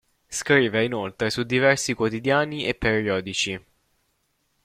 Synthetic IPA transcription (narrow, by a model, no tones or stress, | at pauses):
skɾiːveinolt̪ɾesud̪ːivɛrsikwot̪id̪jaːniepːeɾiɔːd̪it͡ʃi